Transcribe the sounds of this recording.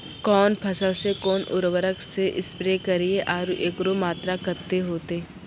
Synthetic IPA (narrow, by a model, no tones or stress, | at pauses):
kɔːnpʰɐsəlsekɔːnʔʊ̰ɾʋəɾəkseʔɪspɾeːkɐɾieʔaːɾuʔeːkɾomaːt̪ɾakɐɾt̪eɦoːt̪eː